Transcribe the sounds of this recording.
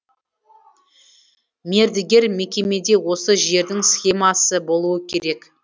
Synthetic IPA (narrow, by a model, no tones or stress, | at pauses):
me̞ɾd̪ɪɡʲe̞ɾme̞kʲe̞me̞d̪e̞wo̞səʒe̞ɾd̪ɪŋsxʲe̞mɑsəbo̞lˠuəkʲʰe̞ɾe̞k